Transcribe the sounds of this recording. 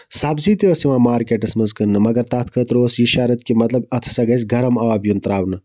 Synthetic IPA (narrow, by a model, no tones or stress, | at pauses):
saːbziːt̪iɐsiʋãːmaːɾkeʈɐsmɐzkənːɨmɐɡɐɾt̪aːt̪ʰkʰət̪ɾosjiʃaːɾɐt̪kimɐt̪lɐbɐt̪ʰsɐɡɐsʲɡʱɐɾɐmɐʋaːbjunt̪ɐɾaːʋnɨ